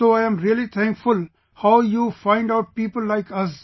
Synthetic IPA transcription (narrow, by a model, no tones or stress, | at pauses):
soːaɪə̃mɾiəlit̪ʰɛ̃ŋkfʊl | haʊjuːfãɪ̃ɳɖaʊʈ̚piːpəlːaɪkʌs